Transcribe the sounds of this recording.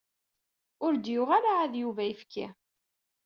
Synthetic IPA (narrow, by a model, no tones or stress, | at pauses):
ʊɾd̪jʊʁalaːðjuvæifkʰːa̰